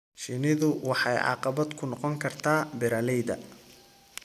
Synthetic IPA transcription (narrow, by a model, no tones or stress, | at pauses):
ʃɪnɪðʊwɑħɑjʕɑ̰qɑβɐd̪kʰʊnɔqɔŋkʰɐrt̪ʰaːbɪɾɐlɛjd̪ɐ̰